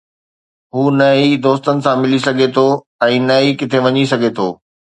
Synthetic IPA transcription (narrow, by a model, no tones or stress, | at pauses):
ɦuːnɐid̪oːst̪ənɪ̆sãmɪlisɐɡʱet̪ʰoː | ɛ̃ːnɐikɪt̪ʰeʋɐɲisɐɡʱet̪ʰoː